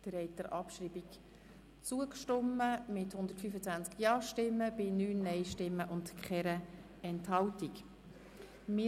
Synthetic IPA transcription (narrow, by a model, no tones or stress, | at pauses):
d̪̥əɾɛɪtd̪əɾʔɑpʃɾiːbik | t͡suəkʃtʊmːəmɪthʊnd̪əɾtfyfət͡sʋænt͡skjɑːʃtɪmːəb̥ɪnyːnːɛɪʃtɪmːəʔʊntkχʰɛɾə | ɛnthɑltik | mɪ